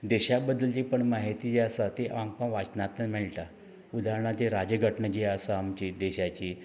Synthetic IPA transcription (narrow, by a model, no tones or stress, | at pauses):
d̪eɕabəd̪ːəlt͡ɕipəɳmaɦit̪id͡ʑeəsat̪eʔãŋpəɳʋat͡ɕnat̪nəmɛɭʈa | ud̪aɦɳat͡ɕeɾad͡ʑəɡʱəʈɳəd͡ʑeəsaːmt͡ɕid̪eɕat͡ɕiː